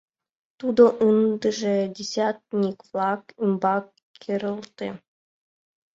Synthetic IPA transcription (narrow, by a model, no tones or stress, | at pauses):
t̪ud̪oʔɯnd̪ɘ̆ʐĕdʲesʲat̪̚nʲikvlˠɑkymbɑkʲː | eɾɤ̆lˠt̪e